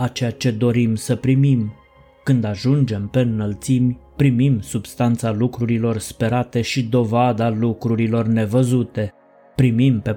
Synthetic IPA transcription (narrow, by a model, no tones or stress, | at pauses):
at͡ʃejat͡ʃe̞d̪o̞ɾimsəpɾimim | kɨnd̪aʒund͡ʒe̞mpe̞nːəlt̪simʲpɾimimsub̥st̪ant̪salukɾuɾilo̞rspe̞ɾat̪e̞ʃid̪o̞vad̪alukɾuɾilo̞rne̞vəzut̪e̞ | pɾimimpe̞